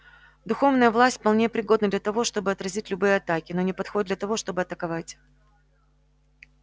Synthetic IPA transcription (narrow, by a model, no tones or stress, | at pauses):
d̪ʊxo̞vnəjəvlˠasʲtʲfʲpɐlˠnʲejəpɾʲɪɡo̞d̪nəd̪lʲɐt̪ɐvo̞ʂt̪o̞bɨɐt̪ɾɐzʲitʲlʲʊbɨjəɐt̪akʲɪno̞nʲɪpɐt̪xo̞ɪd̪lʲɐt̪ɐvo̞ʂt̪o̞bɨɐt̪əkɐvatʲ